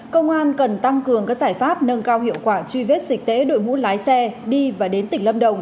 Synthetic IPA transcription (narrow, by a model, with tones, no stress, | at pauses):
kə˧wŋ͡mʔaː˧nkə˨˩nt̪a˧ŋkɨ˨˩əŋkaː˦˥k̚zaː˧˩jfaː˦˥p̚nə˧nkaː˧whɦḭ˧˨əwkwaː˧˩t͡ɕwi˧ve˦˥t̚sï˨˩k̟̚t̪ḛ˧˨˦ɗo̰˧˨jŋṵ˧˥laː˨˦jsɛ˧ɗi˧vaː˨˩ɗe˨˦nt̪ï˨˩ŋlə˧mɗə˨˩wŋ͡m